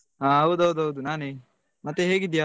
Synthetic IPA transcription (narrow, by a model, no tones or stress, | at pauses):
ɦaːɦɐwd̪uɦɐwd̪uɦɐʋud̪unaːneː | mɐt̪ːeɦeːɡid̪ja